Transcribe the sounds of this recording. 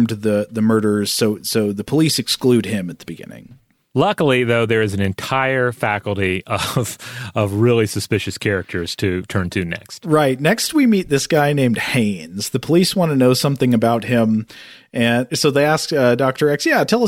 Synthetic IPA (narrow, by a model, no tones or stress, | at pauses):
mtðɨðɨmɜ˞ɾə˞z̥soʊsoʊðɨpʰəlisɨksklʉd̚ɪ̃mɨt̪̚ðəbɨɡɪ̰̃nɪ̰̃ŋ | lʌkl̩ˠiðoʊðə˞ɨzn̩ɨ̃ntʰaɪə˞fækl̩ˠtiʌv̥ʌvɹɪlˠisɨspɪʃɨskʰɛɹɨk̚tʰə˞z̥tʰɨtʰɜ̃˞ntʰɨnɛ̰kst̚ɹaɪtⁿnɛkst̚wimit̪̚ðɪsɡ̥aɪnẽɪ̃md̥̚hẽɪ̃nz̥ðɨpʰəliswɑ̃ntɨnoʊsʌ̃mθɪ̃ŋɨbaʊt̚hɪ̃m | ʔɨ̃nsoʊðeɪæskʌdɑk̚tə˞ɛksjætʰɛlˠʌ